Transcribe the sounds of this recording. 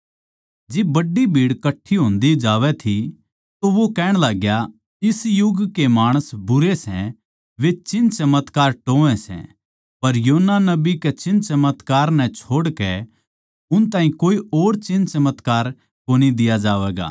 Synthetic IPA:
d͡ʒɪbbɐɖːibʱiːɽkɐʈʰːiɦõːnd̪id͡ʒaːʋɛt̪ʰi | t̪oʋokɛːɽ̃laːɡja | ɪsjʊɡkemaːɽ̃əsbʊɾesɛ | ʋet͡ʃɪnt͡ʃɐmət̪kaːɾʈoːɛ̃sɛ̰̃ | pɐɾjoːnːanɐbiket͡ʃɪ̃nt͡ʃɐmət̪kaːɾnɛ̃t͡ʃʰoːɽkɛ | ʊnt̪aːɦĩkoːioːɾt͡ʃɪ̃nt͡ʃɐmət̪kaːɾ | koːnid̪ɪjad͡ʒaːʋɛːɡa̰ː

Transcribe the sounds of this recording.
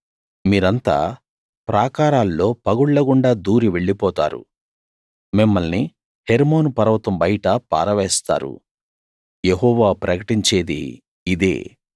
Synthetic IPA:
miːɾɐnt̪a̰ː | pɾaːkaːɾaːlːo̞ːpɐɡuɭːɐɡuɳɖaːd̪uːɾiʋe̞ɭːipɔːt̪a̰ːɾṵ | mimːɐlni | heɾmo̞ːnupɐɾɐʋt̪ɐmbɐjʈɐpa̰ːɾɐʋɛːst̪a̰ːɾṵ | jeɦɔːʋaːpɾɐkɐʈiɲt͡ʃe̞ːd̪ḭː | d̪ḛː

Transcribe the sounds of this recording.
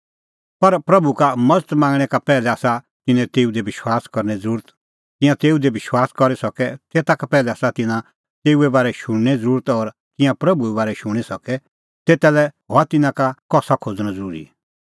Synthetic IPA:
pɐɾpɾɐbukamɐd͡zət̪mãːŋɡɽ̃ɛkapɛːlɛaːsa | t̪ɪnɛ̃t̪eːud̪ebɪʃwaːskɐɾñɛd͡zɐɾuːɾət̪ | kɪ̃jãt̪eːud̪ebɪʃwaːskɔɾesɔkɛt̪eːt̪akapɛːlɛaːsat̪ɪnã | t̪eːuɛbaːɾɛʃʊ̃ɽ̃ñɛd͡zəɾuːɾət̪ɔːɾ | kɪ̃jãpɾɐbuɛbaːɾɛʃʊ̃ɽ̃isɔkɛ | t̪eːt̪alɛɦɔat̪ɪnãkakɔːsakʰoːd͡zñãd͡zəɾuːɾḭ

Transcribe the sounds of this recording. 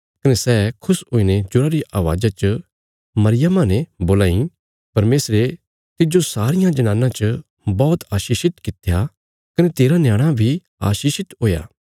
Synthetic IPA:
kɐnesɛːkʰʊsɦoːined͡ʒʊɾaɾiʔaːʋa̰ːd͡ʒat͡ʃə | mɐɾɪjəmãnẽboːlaːĩ | pɐɾmeːsɾe | t̪ɪd͡ʒosaːɾɪjãd͡ʒɐnãːnãt͡ʃə | bɔːt̪aːʃiːʃɪt̪kɪt̪ʰja | kɐnet̪eːɾanjaːɽ̃abʱi | a̰ːʃiːʃɪt̪ɦoːja̰ː

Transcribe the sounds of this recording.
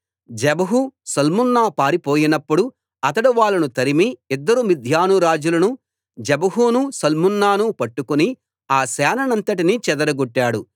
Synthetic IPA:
d͡ʒɛbɐɦusɐlmunːaːpaːɾipoːjinɐpːuɽu | ɐt̪ɐɽuʋaːlːɐnut̪ɐɾimiid̪ːɐɾumid̪ʱjaːnuɾaːd͡ʒulɐnu | d͡ʒɛbɐɦuːnusɐlmunːaːnupɐʈːukuni | aːsɛːnɐnɐnt̪ɐʈ̬init͡ʃɛd̪ɐɾɐɡoʈːaːɽu

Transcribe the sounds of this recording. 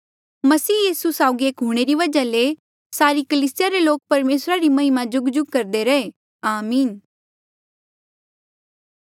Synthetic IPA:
mɐsiːjiːsusaːʊɡieːkɦuɽ̃eɾiʋɐd͡ʒale | saːɾikəliːsɪjaɾeloːk̚pɐɾmeːsɾaɾimɐɦɪmad͡ʒʊɡd͡ʒʊɡ̚kɐɾd̪eɾɐe | aːmiːn

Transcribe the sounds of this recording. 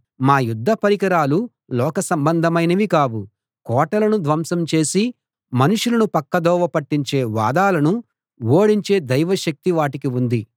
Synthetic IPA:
maːjud̪ʱːɐpɐɾikɐɾaːlu | lɔːkɐsɐmbɐnd̪ʱɐmɐjnɐʋikaːbu | kɔːʈɐlɐnud̪ʋɐmsɐmt͡ʃe̞ːsi | mɐnuʂulɐnupɐkːɐd̪ɔːʋɐpɐʈːiɲt͡ʃe̞ːʋa̰ːd̪aːlɐnu | woːɽiɲt͡ʃe̞ːd̪ɐjʋɐʃɐk̚t̪iʋaːʈikiund̪i

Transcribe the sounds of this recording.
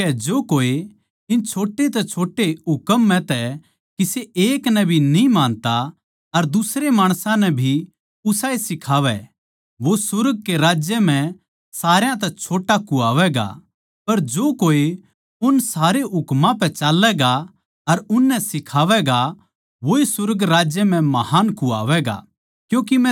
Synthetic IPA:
ɛd͡ʒoːkoːe | ɪnt͡ʃʰoːʈːet̪ɛt͡ʃʰoːʈeɦʊkəmːɛ̃t̪ɛ | kiseʔeːknɛbʱinĩmaːnt̪a | ɐɾd̪ʊsɾemaːɽ̃sãnɛbʱi | ʊsaːesɪkʰaːʋɛ̰ | ʋosʊɾɡ̚keɾaːd͡ʒjəm̤ɛ̃ | saːɾjãt̪ɛt͡ʃʰoːʈakua̰ːʋɛɡa̰ | pɐɾd͡ʒoːkoːi | ʊnsaːɾeɦʊkmãpɛt͡ʃaːlːɛɡa | ɐɾʊnːɛsɪkʰaːʋɛɡa | ʋoːisʊɾɡɾaːd͡ʒjəmɛ̃mɐhaːnkua̰ːʋɛɡa̰ | kjũːk̬imɛ̃

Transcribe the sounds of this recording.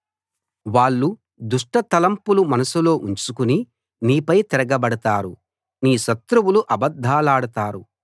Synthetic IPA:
ʋaːɭːu | d̪uʂʈɐt̪ɐlɐmpulumɐnɐsulo̞ːʔuɲt͡ʃukuni | niːpɐjt̪ɛɾɐɡɐbɐɽɐt̪aːɾu | niːʃɐt̪ɾuwuluʔɐbɐd̪ʱːaːlaːɽɐt̪aːɾu

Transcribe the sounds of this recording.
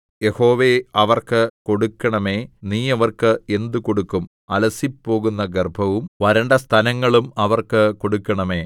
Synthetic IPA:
je̞ho̞ːʋeɐʋɐrkɨko̞ɽukːɐɳɐme̞ːniːɐʋɐrkɨe̞nd̪uko̞ɽukːum | ɐlɐsipːo̞ːɣunːɐɡerbʱɐʋumʋɐɾɐɳɖɐst̪ʰɐnɐŋːɐɭumɐʋɐrkɨko̞ɽukːɐɳɐme̞ː

